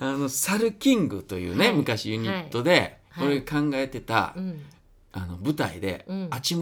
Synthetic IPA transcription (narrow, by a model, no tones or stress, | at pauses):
ano̞saɾɯ̟kʲĩŋɡɯ̟t̪o̞jɯ̟̰ːne̞mɯ̟kaɕijɯ̟ɲ̟it̪ːo̞d̪e̞ko̞ɾeɡakãŋɡae̞t̪e̞t̪a̰ | a̰no̞bɯ̟t̪a̰ḭd̪e̞̰at͡ɕim